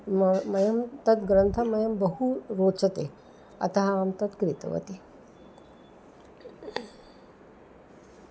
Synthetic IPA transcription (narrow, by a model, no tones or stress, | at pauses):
mmɐjɐmt̪ɐt̪ɡɾɐnt̪ʰɐmɐjɐmbəɦuɾoːt͡sɐt̪e | ɐ̰t̪ɐɦɐaːmt̪ɐt̪kɾit̪ɐ̰ʋɐ̰t̪i